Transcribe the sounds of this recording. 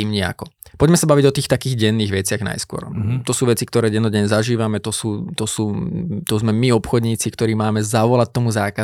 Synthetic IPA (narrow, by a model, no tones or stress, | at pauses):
t̪iːmɲɛa̰kɔpɔɟmɛsabaʋiɟɔt̪iːxt̪akiːɣɟɛnːiːɣʋɛt͡sɪaɣna̰jskʊɔ̰ɾt̪ɔsuːʋɛt͡sikt̪ɔɾɛːɟɛnɔɟɛɲɛzaʒiːʋamɛt̪ɔsuːt̪ɔsuːt̪ɔzmɛmiɔpxɔd̪ɲiːt͡sikt̪ɔɾiːmaːmɛzaʋɔlac̚t̪ɔmuzaːka